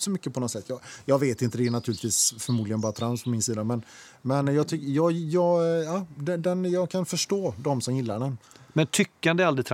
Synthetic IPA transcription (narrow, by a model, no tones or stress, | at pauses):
sɔmʏkːəpʰɔnɔt̪sɛt̪ːjɑːjɑːɡveːt̪ɪnt̪əd̪ɛːɳat̪ʰʉːlɪt̪viːsfœɾmuːd̪lɪɡənbɑːɾat̪ʰɾanspʰɔmɪnsiːd̪amɛn | mɛnjɑːt̪ʰʏkːjɑːjɑːɡɑd̪ɛd̪ɛnjɑːkʰanfœʂʈoːd̪ɔmsɔmjɪlːaɖɛnmɛnt̪ʰʏkːəand̪ɛalɾɪt̪ʰ